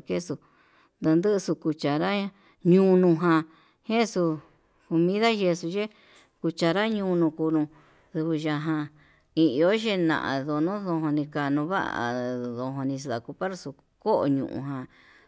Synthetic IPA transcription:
ke˦su˧ | d̪a˧nd̪ɨ˦˧su˧ku˧t͡ʃa˨ɾa˦ | ɲũ˧nũ˧ɦã˧ | hẽ˦su˧ | ko˧mĩ˦ða˦ʒe˧su˧ʒe˦ | ku˧t͡ʃa˧˨ɾa˦ɲũː˧nũ˧ku˧nũ˧ | ðu˧βu˧ʒa˧ɦã˧ | i˧o˦ʒe˦˧nã̰˧ʔã̰˧ðo˧nũ˦ðo˧ɦõ˧nĩ˧ka˧nũ˧βa̰˦ʔa̰˨ðo˧ɦõ˧nĩ˧s̬ða˨ku˧pa˦ɾsu˧ | ko˦ʔo̰˧ɲṵ̃˧˨ʔṵ̃˧ɦã˧

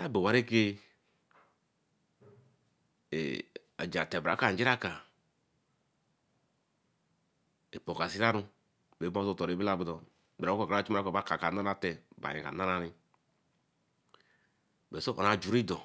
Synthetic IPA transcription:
a˦be˨wa˨ɾe˦ke˦ | ḛ˨ | a̰˨d͡ʒa˨tɛ˨ba̰˨˦ka˨d͡ʒi˦ɾa˦ka˨ | e˨po˨ka˨si˦ɾa˦ɾu˦ | be˨˦bo˦so˦˨tɔ˨ɾe˨˦bi˦la˦˨bu˨˦dɔ˨ | be˨ɾa˨˦kka˨a˦t͡ʃu˦m˦a˦ko˨ba˦ka˨ka˨na˦ɾa˦tɛ˨ba̰˨ḭ˨ka̰˨na˦ɾa˦ɾi˦ | be˨so˦ʔo̰˨ɾa˨d͡ʒu˨ɾi˦dɔ˨

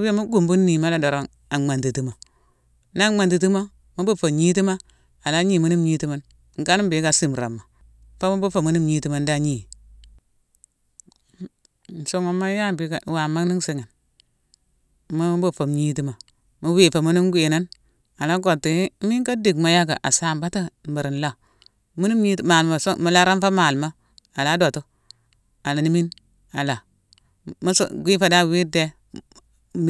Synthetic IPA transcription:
we˦mu˦ɡu˨mbu˦nːi˨ma˦la˦do˨ɾo˦n | a˨ma˨nti˨ti˦ma˨ | n˦a˦ma˨nti˨ti˦ma˦ | mu˦bu˦fo˨mɲi˦t̬i˦ma˦ | a˨la˦ɲi˦˨mu˦ni˦mɲi˦ti˦ma˦n | ŋ̩˦ka˦n˦bi˨˦ka˨si˦˨m˨ɾa̰˨mːa˨˦ | fa˦mu˦bu˦fo˨mu˦ni˦mɲi˦ti˦ma˨n˦da˦˨ɲi˨˦ | n˨so˦ŋo˨mːa˦ja˦bi˨˦ka˨wa˨ma˦ni˦ŋsi˦ŋa˨n | mu˦bo˦fo˨mɲi˦ti˨ma˨ | mu˦wi˨fa˨mu˦ni˦nɡʷe˨na˦n | a˨la˦ɡo˨tːi˨˦mi˦ŋka˦di˨kma˨˦ja˦ɡa̰˨ʔa˨sa˦m˨ba˦ta˦˨ba˨ɾi˨n˨la˦˨ | mu˦ni˦mji˦tma˨lma˨smu˨la˦ɾa˦n˦fa˦ma˨lma˦ | a˨la˨˦do˨tu˦ | a˨la˨ni˦mi˦n | a˨la˨ | m˦sɡʷi˦fa˨˦da˦˨wi˦de˦

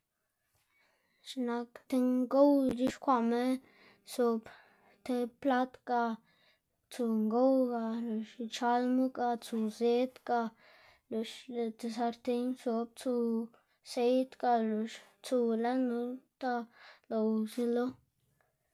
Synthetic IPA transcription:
ʃna˧kt̪e˧ŋɡo˦wɾi˦ʃkʷa˧ʔme˦ | so˧p | t̪e˧pla˦t̪ka˧ | t͡su˧ŋɡo˦wɡa˧lo˨ʃt͡ʃa˧lmu˦ka˧t͡su˧ze˦t̪kʼa˧ | lo˨ʃe˧t̪e˧sa˧ɾt̪e˧ɲso˧b̚t͡su˧ | se˦jt̪kʼa˧lo˧ʃt͡su˧la˦nu˧˦t̪a˧lo˨wsi˧lo˦

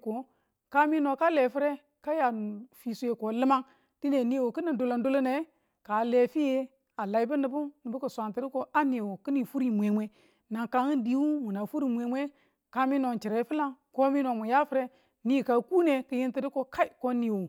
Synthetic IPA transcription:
ko˨ | ka˦mi˦no˨ka˦le˨fi˦ɾe˦ | ka˦ja˨n˨fi˨su˦je˨ko˨lɨ˦ma˦ŋ | ti˦ne˨ni˦˨wo˨ki˦ni˨do˨lo˨ndo˦lo˦ne˨˦ | ka˨le˨fi˦je˦ | a˨la˨i˨˦bu˦nɨ˨bu˦ni˨bu˦ku˨sʷa˨nti˨ɾi˦ko˦a˦ni˨wo˨ki˦ni˨fu˦ɾi˨mʷ˨e˨mʷe˦ | na˨ŋka˨ŋi˦ndi˦wu˦mu˨na˨fu˦ɾi˨mʷe˨mʷe˦ | ka˦mi˦no˨t͡ʃi˨ɾe˨˦fi˦la˦ŋko˦mi˦no˨mu˨ja˦fi˦ɾe˦ | ni˦˨ka˨ku˦ne˨kɨ˨˦ji˦nti˦ɾi˦ko˨ka˦i˨ko˦ni˨wo˨

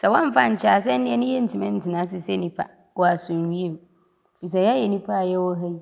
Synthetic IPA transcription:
sɛ˨wã˦m˦fa˦˨ɲ̩˨t͡ɕʰa˨s̬ɛ˦n˦nɪ̃˦ɛ˦nʊ̃˦jɛ˦n̩˨tʰɪ˨mɛ̃˦n̩˨tʰɪ˨nã˨˦s̬ɪ˨sɛ˦nĩ˦pʰa̰˦ | wɔ˨a˨sʊ̃˨ɲĩ˦e˦˨m | fi˨s̬a˨ja˦jɛ˨nĩ˦pʰa˦˨jɛ˦wɔ˦ɦa˦

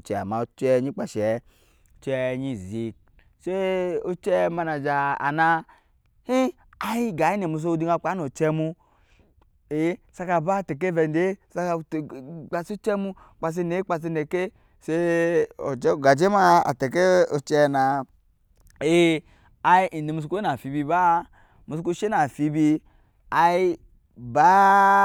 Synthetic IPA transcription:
t͡ʃɛ˨a̰˨ma˨o˦t͡ʃɛ˦ɲi˦k͡pa˨ʃɛ˨˦˨ | t͡ʃɛ˧ɲi˦˨zi˦k̚ | se˦o˦t͡ʃɛ˦ma˧na˨d͡ʒa˨a̰˨na˧ | hi˦ | a˦i˦ɡa˨˦i˦ne˨mu˧˨s̬o˦di˧˦ŋa˧˨k͡pa˨˦no˨t͡ʃɛ˧mu˧ | e˨˦sa˧ka˧˨ba˦˨te˨k̬e˦vɛ˨nde˦sa˦ka˧˨k͡pa˨st͡ʃɛ˦mu˧ | k͡pa˨s̬i˧ne˨˦k͡pa˨s̬i˧ne˨ke˦ | se˦o̰˨˦˨ɡa˨d͡ʒe˦ma˦a̰˨te˨ke˦o˨t͡ʃe˦˨na˨ | e˦ | a˨˧i˦ʔi˨n˨e˨mu˧s̬ku˦na˨fi˨bi˧ba˦ | mu˨s̬ku˦ʃe˦na˨fi˨bi˧ | a˨i˦ | ba˦

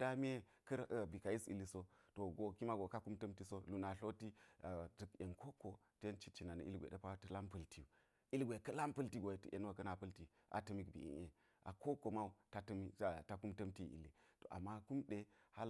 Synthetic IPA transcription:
da˦mi˦e˦ | kɐ˦ɾbi˨ka˨i˦sḭ˨lːi˦so˦to˨ɡo˨ki˦ma˦ɡo˨ka˦ku˦mtɐ˦mti˦so˦lu˨na˨ɬo˦ti˦˨du˨ke˨nkʰo˦ko˨ | te˦nt͡ʃi˦t͡ʃi˨na˨nə̰˨ʔḭ˦lɡʷḛ˨də˦pa˦tə˦la˦mpɐ˦lti˦u˨ | i˦lɡʷe˨kɐ˦la˦mpɐ˦lti˦ɡo˨e˨tə̰˦ʔḛ˨n˦wa˦kɐ˦na˨pɐ˦lti˨ | ʔa̰˨tɐ˦mi˦kbḭ˨ḭ˨˦e˨ | ʔa˨ko˦ko˨ma˦u˨ta˦tm˦˨ta˦ku˦mtɐ˦mti˦˨ḭ˨lːi˨to̰˨ʔa̰˨mːa˦ku˦mɗe˨ha˦l

